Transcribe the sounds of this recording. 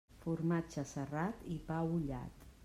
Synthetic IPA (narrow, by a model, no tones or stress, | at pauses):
fuɾmat͡ʃəsərat̪ipawuʎa̰t̪